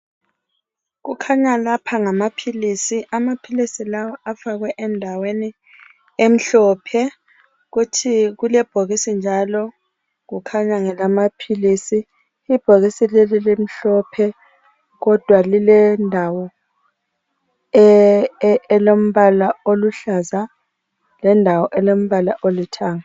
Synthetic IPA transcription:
ɣukʰaɲalapʰaŋamapʰilisiʔamapʰilisilawɔafaɣwɛʔɛndʱaweni | em̩ɬɔːpʰɛ | ɣutʰiɣulɛb̥ʱoɣisind͡ʒʱalɔ | ɣukʰaɲaŋɛlamapʰilisiː | b̥ʱoɣisilɛlɛlim̩ɬɔpʰɛ | ɣɔd̥ʱwalilɛndʱawɔ | ɛlom̩βalaoluɬaza | lɛndʱawɔʔɛlom̩βalaʔolitʰaːŋa

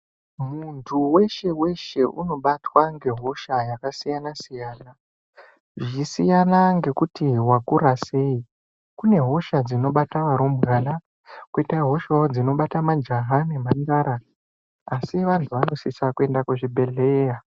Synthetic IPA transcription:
muntʰuwe̞ʃe̞we̞ʃe̞ʔṵno̞ɓatwaŋɡe̞ɦo̞ʃajakasijanasijaːna | ʐisijanaŋɡe̞kutiwakuɾase̞i | kune̞ɦo̞ʃad͡zino̞ɓataʋaɾo̞mbɣaːna | kwitaɦo̞ʃaod͡zino̞ɓatamad͡ʒaɦanemaŋɡaɾaː | siʋantʰuʋano̞sisakue̞ndakuʐibʱe̞ɮeːja

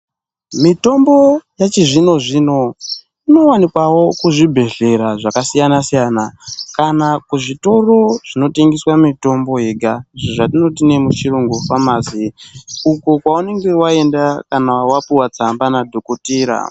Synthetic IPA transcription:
mito̞mbo̞jat͡ʃiʐino̞ʐiːno̞ | ino̞wanikwawo̞kuʐibʱe̞ɮe̞ɾaʐakasijanasijaːnakanakuʐito̞ro̞ʐ̥ino̞teŋɡiswamito̞mbo̞ɦeːɡʱaʐoʐatino̞t̬ine̞mut͡ʃiɾuŋɡufamaːziuko̞kwaune̞ŋɡe̞wae̞ndakanawapiwat͡sambanadʱo̞ko̞tiːɾa̰

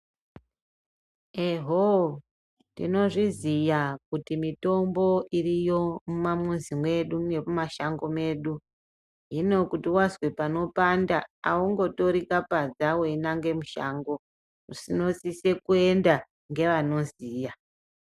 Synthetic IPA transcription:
eɦo | ndḭno̞ʐizijakutimito̞mbo̞ʔirijo̞mumamunzimwe̞ɗune̞mumaʃaŋɡo̞me̞ːɗu | ɦino̞kutiwazwepano̞pandaːuŋɡo̞to̞ɾikapad͡zawoinaŋɡe̞muʃaŋɡo̞ | usino̞sise̞kue̞nda | ŋɡe̞ʋano̞ziːja

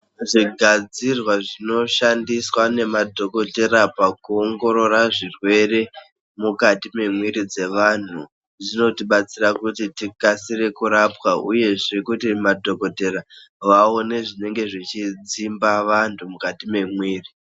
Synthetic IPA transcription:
ʐiɡʱad͡zirwaʐino̞ʃandiswane̞madʱo̞ko̞te̞ɾapakuoŋɡo̞ɾo̞raʐirwe̞re̞ | mukatime̞mwiɾid͡ze̞ʋan̤u | d͡zino̞tiɓat͡sirakutitikasiɾe̞kuɾapwaṵje̞ʐe̞kutimadʱo̞ko̞te̞ɾa | ʋaone̞ʐine̞ŋɡe̞ʐit͡ʃid͡zimbaʋantʰumukatime̞mwiːri

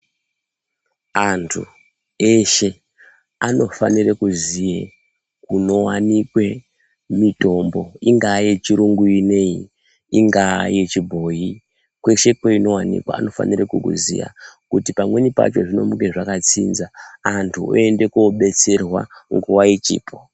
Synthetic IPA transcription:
antʰṵ | e̞ʃe̞ | ano̞fa̰nirekuzije | kuno̞wanikwe̞ | mito̞mbo̞iŋɡaje̞t͡ʃiɾuŋɡuine̞i | iŋɡajet͡ʃibʱo̞ji | kwe̞ʃe̞kweino̞wanḭkwa̰a̰no̞fa̰nirekukṵzḭja̰kutipamwe̞nipa̰t͡ʃo̞ʐino̞̰muke̞ʐakat͡sinzaantʰuo̰e̞nde̞koɓe̞t͡se̞rwa̰ŋɡuwait͡ʃḭːpʰo

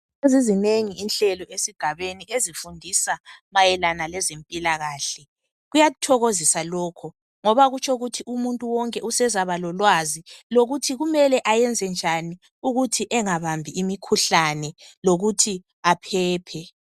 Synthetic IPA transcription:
ezizineŋiːnɬɛlɔʔesiɡ̥ʱaβeniezifundʱisamajɛlanalɛzempʼilaɣaːɬɛ | ɣujatʰɔɣozisalɔːkʰɔ | ŋɔβaɣut͡ʃʰoɣutʰiʔumuntʼuwɔŋkʼɛʔusɛzaβalɔlwaziloɣutʰiɣumɛlɛʔajɛnd͡zʱɛnd͡ʒʱani | uɣutʰiʔɛŋaβambʱiʔimikʰuɬanɛloɣutʰi | apʰɛːpʰɛ

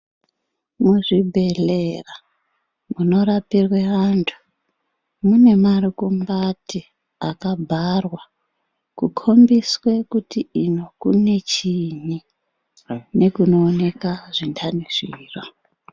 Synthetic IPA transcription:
muʐibʱe̞lera | muno̞ɾapirwe̞ʋantʰu̥ | mune̞maɾikumbati | akabʱarwa | kukʰo̞mbiswe̞kutiino̞kṵne̞t͡ʃini | ne̞kuno̞ːne̞kaʐ̥indʰanisiːrwa

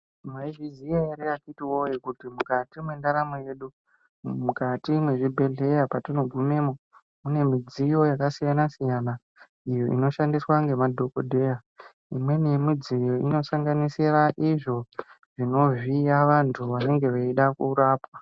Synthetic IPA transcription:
mwaivizijaeɾeakitiwo̞jekutimukatimwe̞ndaɾamoje̞ːɗu | mukatimwe̞ʐibʱe̞ɮe̞japatino̞ɡʱume̞ːmo | mune̞mid͡zijo̞jakasijanasijana | ijo̞ʔino̞ʃandiswaŋɡe̞madʱo̞kodʱe̞ja | imwe̞nijemid͡zijo̞ʔino̞saŋɡanisiraʔiʐo̞ | ʐ̥ino̞viaʋantʰuʋane̞ŋɡe̞ʋeiɗakuːɾaːpwa

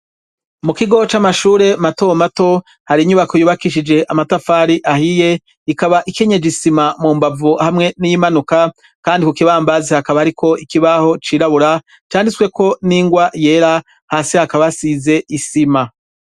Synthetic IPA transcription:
mukiɡo̞t͡ʃamaʃuːɾe̞matomato̞ | haɾiɲuβakojuːβakiʃid͡ʒe̞ʔamatafaːɾiʔahije̞ | ikaβaʔike̞ɲe̞d͡ʒisimamuːmbavuhamŋe̞nijimanuka | kaːndikukiβaːmbazihakaβahaɾikʰo̞ʔikiβaho̞t͡ʃiːɾaβuɾa | t͡ʃaːndiswe̞ko̞niːŋɡwaje̞ːɾa | haːsihakaβasize̞isima

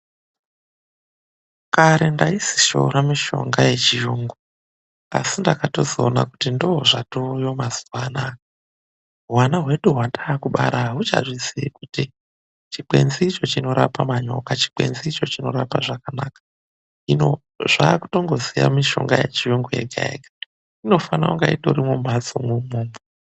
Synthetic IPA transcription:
kaɾe̞ndaisi̥ʃo̞̰ɾamiʃo̞̰ŋɡaje̞t͡ʃijuːŋɡo | a̰sindakato̞zoːna̰kutindooʐatojomazuwana | ɦwanaɦwe̞ɗuɦwadaːkuɓa̰ɾaɦut͡ʃa̰ʐisiikuti | t͡ʃiɓe̞̰nziːt͡ʃo̞t͡ʃino̞ɾapamaɲo̞kat͡ʃi̥k͡pe̞̰nziːt͡ʃo̞t͡ʃino̞ɾapaʐakanaːkḁ | ino | ʐaːku̥to̞ŋɡo̞zija̰miʃo̞̰ŋɡajḛt͡ʃijoŋɡojḛɡʱa̰ḛɡa | ino̞fanauŋɡaito̰ɾimomad͡zo̰mwumuːmbo

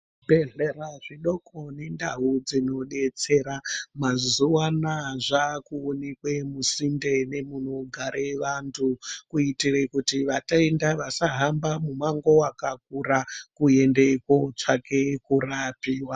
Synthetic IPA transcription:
bʱeɮeraʐiɗo̞koninda̰ɦud͡zino̞ɗe̞t͡se̞ɾamazuwanaʐakuonekwemusinde̞ne̞muno̞ɡʱaɾʔeʋantʰukuitirekutiʋataendaʋasaɦambamumaŋɡo̞wakak̚urakuendeko̞t͡ʂakʰe̞kurapiːwa

